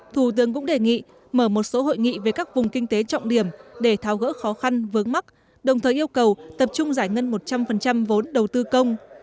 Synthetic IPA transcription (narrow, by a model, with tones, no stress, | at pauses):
t̪ʰu˧˩t̪ɨ˨˦əŋkʊ̰˧˥ŋ͡mɗe˧˨˩ŋḭ˧˨ | məː˧˩mo˨˩t̚so˨˦ɦo̰˧˨jŋḭ˧˨ve˨˩kaː˦˥k̚vʊ˨˩ŋ͡mkï˧ŋ̟t̪e˨˦t͡ɕɔ̰˧˨wŋ͡mɗi˧˩əmɗe˧˩t̪ʰaː˨˦wɣə̰ː˧˥xɔ˨˦xa˧nvɨ˨˦əŋma˦˥k̚ | ɗə˨˩wt̪ʰəː˨˩jʔi˧əwkə˨˩wt̪ə˨˩p̚t͡ɕʊ˧ŋ͡mzaː˧˩jŋə˧nmo˨˩t̚t͡ɕa˧mfə˨˩nt͡ɕa˧mvo˨˦nɗə˨˩wt̪ɨ˧kə˧wŋ͡m